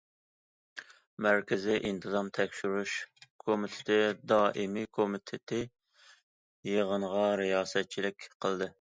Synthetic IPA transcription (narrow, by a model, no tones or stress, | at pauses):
mæɾkʲɪzɪʔint̪ʰɨzɑmt̪ʰɛkʲʃyɾuʃkʰomit̪ʰɪ̥t̪ʰɪd̪ɑːʔɪmɪkʰomɪt̪ʰɪt̪ʰɪ | jeʁəɴʁɑɾijɑːsɛt̪̚t͡ʃʰilɪkʲqʰəlˠd̪ɨ